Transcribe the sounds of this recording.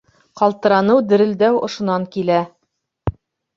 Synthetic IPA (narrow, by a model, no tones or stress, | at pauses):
qɑlˠt̪ɤ̆ɾɑnɤwd̪ɘ̆ɾɘ̆ld̪æwŏʃŏnɑŋkilæ